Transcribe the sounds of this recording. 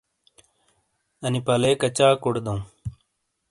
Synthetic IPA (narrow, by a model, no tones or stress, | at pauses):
ənipaleːkət͡ɕaːkoɽd̪õ